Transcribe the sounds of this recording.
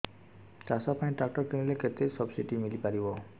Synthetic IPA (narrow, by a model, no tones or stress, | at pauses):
tasapaĩʈak̚ʈɔkenileket̪esɔbsiʈimilipaɾibɔ